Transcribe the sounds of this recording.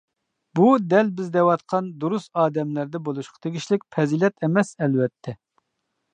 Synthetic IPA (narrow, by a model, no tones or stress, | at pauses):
bud̪ɛlbɪzd̪ɛwɑt̪qʰɑnd̪uɾust̪ɑːd̪ɛmlæɾd̪ɛbolˠuʃqʰɑ̥t̪ʰeɡʲiʃlɪk̚ʲpʰɛzilɛt̪ʰemɛsɛlwɛt̪ʰːɛ